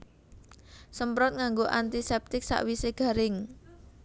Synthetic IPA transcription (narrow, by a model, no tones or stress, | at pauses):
səmpɾɔt̪̚ŋaŋɡoʔant̪isɛp̚t̪ɪk̚sa̰ʔwiseɡ̥a̤ɾɪŋ